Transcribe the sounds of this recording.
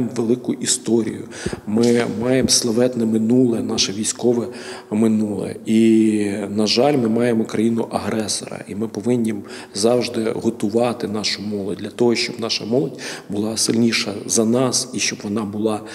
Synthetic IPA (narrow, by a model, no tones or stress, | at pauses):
mʋelˠɪkʊʔist̪ɔɾʲḭjʊ̰ | mɪmɑjemslˠɐʋɛt̪nɛmɪnulˠɛnɑʃɐʋʲijsʲkɔʋɛmɪnulˠɛ̰i | nɐʒɑlʲmɪmɑjemɔkɾɐjinʊʔɐɦɾɛsɔ̰ɾɐ̰ʔimɪpɔʋɪnʲːim | zɑwʒd̪ɪɦɔt̪ʊʋɑt̪ɪnɑʃʊmɔlˠɔd̚ʲd̪ʲlʲɐt̪ɔɦɔʃt͡ʃɔbnɑʃɐ̰mɔlˠɔdʲbʊlˠɑsɪlʲnʲiʃɐzɐnɑsiʃt͡ʃɔbʋɔnɑbʊlˠɑ